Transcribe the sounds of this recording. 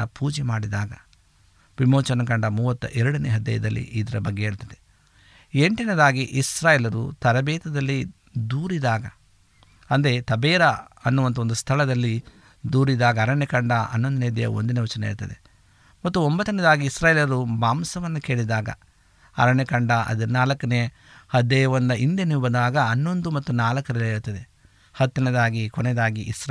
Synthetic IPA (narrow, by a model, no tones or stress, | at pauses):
ɐpuːd͡ʒɛmaːɽid̪aːɡɐ̰ | bimoːt͡ʃɐnɐkɐɳɖɐmuːʋɐt̪ːuʔɛɾɐɽɐneɦɐd̪ːɐ̰jɐd̪ɐlːḭʔiːd̪ɐɾɐbɐɡːeeːɭut̪ɐd̪e | e̞ɳʈinɐd̪aːɡiʔisɾaːjɛːlɐɾṵt̪ɐɾɐbɛːt̪ɐd̪ɐlːi | d̪uːɾid̪aːɡɐ̰ | ɐnd̪ɾet̪ɐbɛːɾɐɐnːuʋɐnt̪̬ɐond̪ust̪ʰɐɭɐd̪ɐlːi | d̪uːɾid̪aːɡɐːɾɐɳekɐɳɖɐʔɐ̰nːond̪uneːd̪ijɐ̰o̰nd̪ineʋɐt͡ʃɐnɐḭɾt̪ɐd̪ḛ | mɐt̪ːuombɐt̪ːɐnɐd̪aːɡiːsɾaːjeːlɐɐɾumaːmsɐʋɐnːuke̞ːɭid̪aːɡɐ̰ | ɐ̰ɾɐɳekɐɳɖɐʔɐ̰d̪ɐnaːlɐkːɐne | hɐd̪ɛːjɐʋɐnd̪ɐʔind̪jɐnibɐd̪aːɡɐɐnːo̞nd̪umɐt̪ːunaːlɐkːɐɾɐlɐeːɾut̪ːɐd̪e | hɐt̪ːɐned̪aːɡikoned̪aːɡiʔisɾ